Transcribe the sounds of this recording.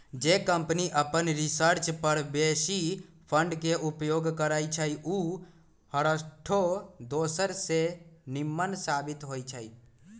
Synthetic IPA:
d͡ʒekə̃mpniʔəpənɾɪsəɾt͡ʃpəɾbeːʃi | pʰə̃ɳɖkeʔʊpjoːɡkəɾaːit͡ʃʰəiʔuː | həɾəʈʰod̪oːsəɾsenɪmːənsaːbɪt̪ɦoːit͡ʃʰaḭ

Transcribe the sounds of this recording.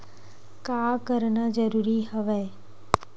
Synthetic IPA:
kakəɾnad͡ʒəɾuɾiɦəʋe

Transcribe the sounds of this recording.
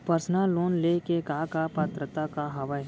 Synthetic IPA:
pəɾsnaloːnleːkekaːkapaːt̪ɾət̪akaɦɐʋə

